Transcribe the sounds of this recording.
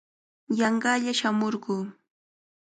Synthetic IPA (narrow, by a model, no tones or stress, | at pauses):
jɑɴɢɑʎaʃamoɾɢuː